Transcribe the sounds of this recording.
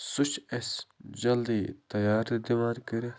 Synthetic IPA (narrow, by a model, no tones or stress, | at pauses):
sʊt͡ʃesd͡ʒɐld̪iːt̪ɐjaːɾd̪imaːɾkɐɾe